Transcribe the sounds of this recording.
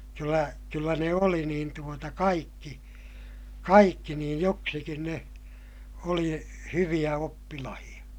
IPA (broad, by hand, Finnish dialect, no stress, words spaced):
kylːæ kylːæ ne oli niːn tuotɑ kɑikːi kɑikːi niːj joksikin ne oli hyʋij̆æ opːilɑhij̆ɑ